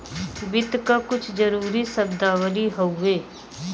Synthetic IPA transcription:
bɪt̪kakʊt͡ʃʰd͡ʒəɾuːɾisəbd̪aːwəliɦoueː

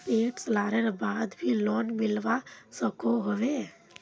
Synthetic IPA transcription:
peːʈslaːɾeɾbaːd̪bʱilɔːnmɪlʋasəkʰoɦoʋeː

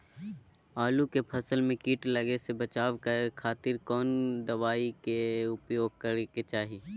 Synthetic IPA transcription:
aːlukepʰɐsəlmẽkiːʈləɡesebət͡ʃaːʋkəekʰaːt̪ɪɾkɔːnd̪əʋaːikeʊpjoːɡ̚kəɾeket͡ʃaːɦiː

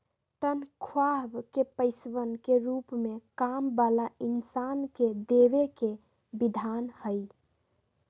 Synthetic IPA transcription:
t̪ənkʰwabkepəɪsbənkeɾupmekambalainsanked̪eβeke | bid̪ʱanhəj

